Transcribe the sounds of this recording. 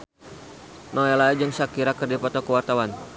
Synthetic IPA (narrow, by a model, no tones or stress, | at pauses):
noalaid͡ʒəŋsakiɾakərdipɔt̪ɔkəwart̪awan